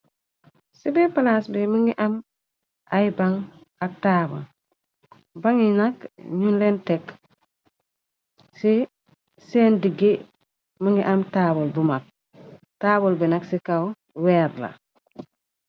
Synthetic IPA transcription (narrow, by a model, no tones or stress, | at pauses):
sibepalasbimuŋɡiʔam | ʔajbaŋ | ak̚taːbo̰l | baŋinakɲunlentek | si | seːndiɡe | muŋɡiʔamtaːbolbumak̚ | taːbolbinaksikaw | weːɾla̰